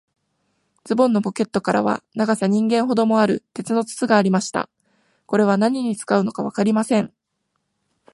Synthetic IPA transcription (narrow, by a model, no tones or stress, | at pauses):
d͡zɨbõ̞nːopo̞ke̞t̪ːo̞kaɾa̰βa̰naɡasaɲ̟ĩŋɡẽ̞ɰ̃ɦo̞d̪o̞mo̞aɾɯ̟t̪e̞t͡sɨno̞t͡sɨ̥t͡sɨɡaːɾʲimaɕi̥t̪a̰ | ko̞ɾe̞β̞anaɲ̟iɲ̟it͡sɨ̥kaɯ̟no̞kaβ̞akaɾʲimasẽ̞ɴ